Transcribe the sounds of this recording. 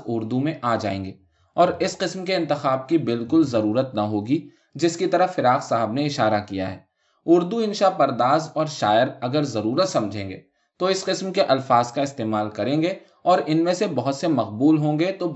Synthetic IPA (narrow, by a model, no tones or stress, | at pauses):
ʊɾd̪umẽʔaːd͡ʒa̰ːḛ̃ːŋɡeː | ɔːɾɪsqɪsmkeɪ̃nt̪ɪxaːb̚kibɪlkʊlzɐɾuːɾət̪nɐɦoːɡi | d͡ʒɪskit̪ɐɾəfɪɾaːxsaɦəbneɪʃaːɾakija̰ɦɛ̰ː | ʊɾd̪uɪ̃nʃapɐɾd̪aːzɔːɾʃaːjɪɾɐɡəɾzɐɾuːɾət̪sɐ̃md͡ʒʱẽːŋɡḛː | t̪oɪsqɪsmkeʔɐlfaːzkaɪst̪eːmaːlkɐɾẽːŋɡe | ɔːɾɪnmẽsebɐɦʊt̪semɐqbuːlɦõːɡet̪o